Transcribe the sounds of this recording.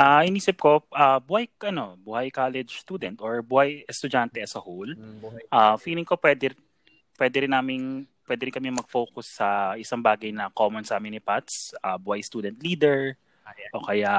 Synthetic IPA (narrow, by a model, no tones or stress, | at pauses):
ʔaʔɪniːsɪp̚ko̞ʔabʊhajʔɐno̞bʊhajkaːlɛd͡ʒst̪uːd̪ɛnt̪ʔoɹbʊhajɛst̪ʊd͡ʒant̪ɛɛsɐhowlʔafiːlɪŋko̞pwɛːd̪ɛ | pwɛd̪ɛɾɪnːaːmɪnpwɛːd̪ɛɾɪnkɐmɛmɐɡ̚foːwkʊsːɐʔɪsaŋbaːɡɐjnɐkoːmɔnsʔamɪnɪpat̪sʔabʊajst̪uːd̪ɛnt̪̚liːd̪ɛɹ | ʔokɐja